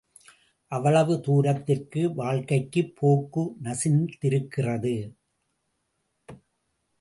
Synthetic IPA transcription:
ʔɐʋɐɭɐʋɯt̪uːɾɐt̪ːɪrkɯʋaːɻkɐɪkːɯpʰːoːkːɯnɐsɪnt̪ɪɾɯkːɪrɐðɯ

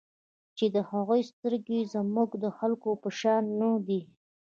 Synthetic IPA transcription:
t͡ʃed̪əhaɣojst̪əɾɡezmuɡd̪əxalkopəʃɑnːəd̪i

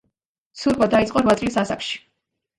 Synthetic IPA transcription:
suɾbad̪ait̪sʼqʼɔɾvwat̪sʼlisasakʃi̥

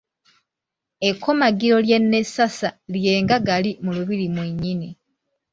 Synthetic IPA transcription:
e̞kʰːo̞maɡiɾo̞lje̞nːe̞sasalje̞ːŋɡaɡalimuluβiɾimweɲːini

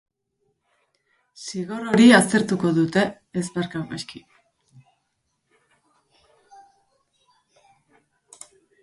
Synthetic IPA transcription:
siɣo̞ro̞ɾiast̪e̞ɾt̪uko̞ðut̪e̞ː | zβaɾkawpeski

